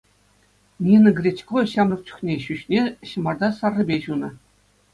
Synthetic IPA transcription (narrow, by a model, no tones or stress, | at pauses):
nʲinɤ̆ɡrʲetʲkoɕɑmɤ̆rt͡ɕu̥xnʲeɕyɕnʲeɕɤ̆mɑrd̪ɑsɑrːɤ̆bʲeʑunɤ̆